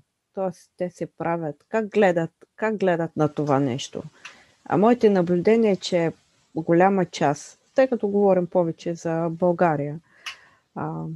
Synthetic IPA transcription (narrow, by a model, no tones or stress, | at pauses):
t̪ɔɛst̪ɛsɛpɾʔavʲət̪kaɡ̚ɡlɛd̪ət̪ | kaɡ̚ɡlɛd̪ət̪nɐt̪ovanɛ̰ʃt̪o̰ | ɐ̰mɔit̪ɛnɐblʲʊd̪ɛniɛt͡ʃɛ | ɡolʲamɐt͡ʃas | t̪ɤjkɐt̪ɔɡovɔɾimpɔvɛt͡ʃɛzɐbɐlˠɡaɾijə